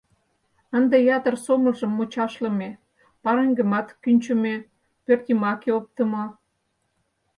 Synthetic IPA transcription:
ənd̪ejɑt̪ərsoməlʒə̆mːot͡ɕɑʃlə̆me | pɑɾeŋɡə̆mɑt̪kynʲt͡ɕəme | pørt̪imɑkeop̚t̪ə̆mɑ

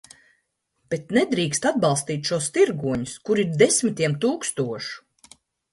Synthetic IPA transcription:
b̥et̪nɛd̪ɾiːkst̪ad̪̚bɑlˠst̪iːt̪ʲʃuɔst̪iɾɡuɔɲuskuɾiɾd̪esmit̪ʲiɛmt̪uːkst̪uɔʃu̥

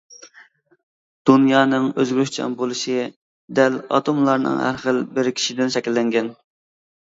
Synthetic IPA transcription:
d̪̥unjɑːnɨŋøzɡʲɾyʃt͡ʃʰɑ̰mbolˠɨʃɨ | d̪ɛlɑ̰t̪ʰomlˠɑɾnɨ̰ŋhæ̰ɾχəlbɪɾkʲʰi̥ʃid̪ɪnʃɛkʲilːɛŋɡʲɛn

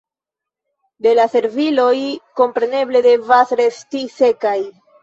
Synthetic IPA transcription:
d̪e̞lase̞ɾvilo̞jko̞mpɾe̞ne̞ble̞de̞vasɾe̞stise̞kaj

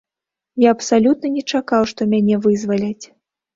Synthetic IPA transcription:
jaɐpsalʲut̪̚nɐnʲɛt͡ʂakawʂt̪ɔmʲanʲɛvɨzvɐlʲɐt͡sʲ

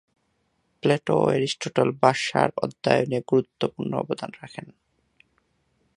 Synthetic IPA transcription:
pleʈoeɾisʈoʈolbaʃa̰ɾɔd̪ːa̰joneɡuɾut̪ːopuɾnoɔ̰bod̪ʱanɾakʰen

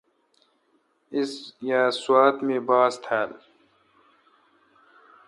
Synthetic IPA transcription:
ɪsjaːswaːt̪mẽbaːzt̪ʰæːl

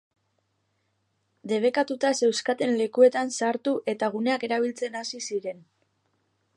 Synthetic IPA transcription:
d̪e̞β̞e̞kat̪ut̪ase̞wskat̪e̞nle̞kue̞t̪ansaɾt̪uʔe̞t̪aɣ̞une̞ake̞ɾaβ̞ilt͡se̞nasisiɾe̞n

